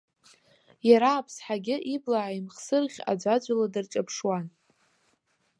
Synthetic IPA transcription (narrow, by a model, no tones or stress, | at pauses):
jaɾaːpʰsħaɡʲɪʔiblaʕaimχsɨrʁʲa̰d͡ʒʷad͡ʒʷaladɨrʈ͡ʂʼapʰʂwan